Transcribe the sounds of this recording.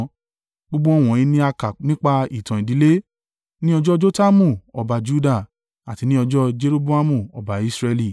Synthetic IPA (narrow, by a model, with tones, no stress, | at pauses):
ɡ͡bo˦ɡ͡bo˦ɔ˦˧˨w̃ɔ̃˨ĩ˧˦nĩ˦a˧ka˨nĩ˦k͡pa˧i˦˨tɔ̃˨ĩ˨di˨˦le˦ | nĩ˦ɔ˧d͡ʒɔ˦d͡ʒo˦ta˦mũ˦˨ɔ˨ba˨d͡ʒu˦da˦˨ | a˨ti˨˧nĩ˦ɔ˧d͡ʒɔ˦d͡ʒe˦ɾo˦bo˦a˦mũ˧˨ɔ̰˨ba˨i˧˦sɾɛ˧li˧˨